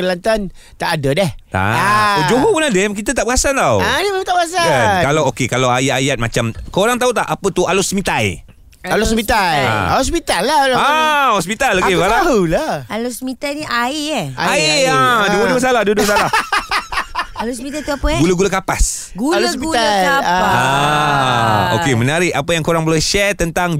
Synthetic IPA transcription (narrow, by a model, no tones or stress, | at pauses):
əlant̪an | t̪aʔadədɛht̪a̰ad͡ʒoɦopunadəmk̬it̪ət̪aʔbəɣasant̪awanimemãt̪aʔbəasakalawokekalawajajat̪̚ma̰t͡ʃamkəoɾaŋt̪aut̪aʔapət̪ualosəmĩt̪aj | alosmit̪aja̰ospit̪alːaalahospit̪alokealaɦulaalosəmĩt̪ajniʔaiɛaaiaduəduəs̬alahduwəduwəs̬alah | alosmĩt̪ajt̪uapəɡulaɡulakapas | ɡualsiulaaaa | o̰kemənaɾɪʔapəjaŋkoɾaŋbəlɛhʃɛrt̪ənt̪aŋ